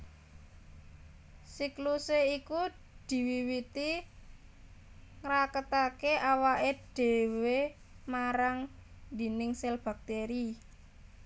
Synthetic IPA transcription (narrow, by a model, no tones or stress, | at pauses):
sikluseiku | d̪̥i̤wiwit̪i | ŋɾakət̪akeʔawaʔeɖ̥e̤we | maɾaŋ | d̪i̤nɪŋsɛlb̥a̤k̚t̪eɾi